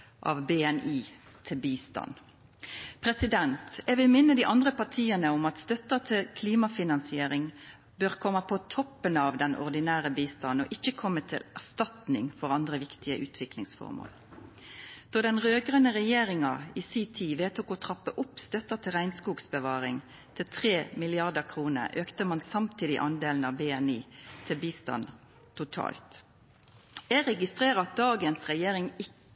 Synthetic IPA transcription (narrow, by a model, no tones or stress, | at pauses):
ʔɑ̰ʋbeːɛniː | t̪ʰɪlbiːst̪ɑ̰n | pʰʁɛsɪd̪ɛnt̪ɛʋɪlmɪnːəd̪iːʔɑnd̪ʁəpɑʁt̪ʰiːənəʊmɑt̪st̪œt̪ət̪ʰɪlkʰliːmɑfɪnɑnsɪeːʁɪŋ | bøːʁkʰɔmːəpʰɔt̪ʰɔpːənɑʋd̪ɛnɔ̰ʁd̪ɪnæːʁəbiːst̪ɑnɔ̰ːʔɪçːəkʰɔmːət̪ʰɪ̰læʁst̪ɑt̪nɪŋfɔʁɑnd̪ʁəʋɪkt̪ɪəʔʉːt̪ʰʋɪklɪ̰ŋsfɔ̰ʁmo̰ːl | d̪̥ɑːd̪ɛnʁøːɡʁənəʁɛjeːʁɪŋɑiːsiːt̪ʰiːʋeːt̪ʰuːkɔt̪ʰʁɑpːəʔʊpst̪œt̪ət̪ʰɪlʁæɪnskuːɡsbəʋɑːʁɪŋ | t̪ʰɪlt̪ʰʁeːmɪlɪɑʁd̪əʁkʰʁuːnə̰ʔøːkt̪əmɑnsɑmt̪ʰiːd̪ɪ̰ʔɑnd̪eːln̩ɑʋbeːɛniːt̪ʰɪlbiːst̪ɑ̰n | t̪ʰʊt̪ʰɑ̰ːlt̪ | æɾɛɡɪst̪ʁeːʁəɑt̪̚d̪ɑːɡənsʁɛjeːɾɪŋɪ